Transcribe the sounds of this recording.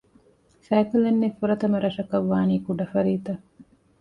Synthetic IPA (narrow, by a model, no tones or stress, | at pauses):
sæːkulɐnːefuɾɐt̪ɐmɐɾɐʃɐkɐʋːaːniːkuɖɐfɐɾiːt̪ɐ